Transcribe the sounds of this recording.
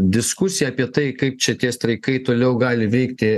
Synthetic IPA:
d̪ʲɪskʊsʲɪjɛɐpʲiɛt̪ɐɪkɐɪp̚t͡ʃʲɛt̪ʲiɛst̪ɾɐɪkɐɪt̪oːlʲɛʊɡɑːlʲɪʋʲɛɪkt̪ʲɪ

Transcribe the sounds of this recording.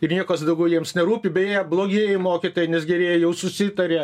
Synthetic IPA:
ɪrnʲiɛkɐsd̪ɐʊɡʲɛʊjiɛmsnʲɛɾuːpʲɪbʲɛjeːjɛblˠoːɡʲeːjɪmoːkʲit̪oːjɛnʲɛsɡʲɛɾʲeːjɛjɛʊsʊsʲɪt̪ɐɾʲeː

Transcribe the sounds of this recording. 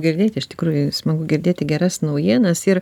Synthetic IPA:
ɡʲɪɾʲd̪ʲeːt̪ʲɪʃtʲɪ̥kɾuːjʊsmɐɡʊɡʲɪrʲd̪ʲeːt̪ʲɪɡʲɛɾɐsnɐʊjiɛnɐsɪr

